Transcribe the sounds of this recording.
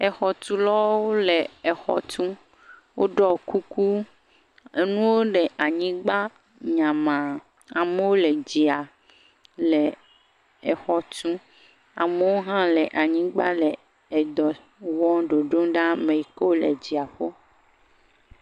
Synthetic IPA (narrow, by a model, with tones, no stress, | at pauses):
ɛ˨xɔ˨t̪u˦lɔ˦wo˦le˨ɛ˨xɔ̰˨t̪ũ˦ | wʔo˦ɖɔ˦˨ku˦ku˦ | e˦nũ˦wo˦ɖe˨ʔa˨ɲĩ˦ɡ͡ba˦ | ɲã˨mã˨ | a˨me˦wo˦le˨d͡ʑi˨a˨ | le˨ | ɛ˨xɔ˨t̪ũ˦ | a˨me˦wo˦ɦã˦le˨ʔa˨ɲĩ˦ɡ͡ba˦le˨ | ɛ˨d̪ɔ˨ | wɔ̃˦ɖo˨ɖo˦ɖa˦mẽ˨i˨ko˦le˨d͡ʑi˨a˨ɸo˦